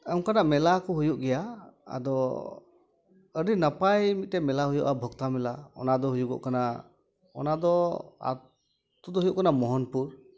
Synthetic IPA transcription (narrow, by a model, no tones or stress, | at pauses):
aŋkanaʔmɛlakɔɦujuʔɡɛjaa̰d̪ɔ | əɾinapajmit̪̚tɛmɛlaɦujuʔabʱɔkt̪amɛlaɔ̰nad̪ɔɦujuɡɔ̰ʔkana | ɔ̰nad̪ɔa̰ | t̪ud̪ɔɦujuʔkanamɔɦɔnpuɾ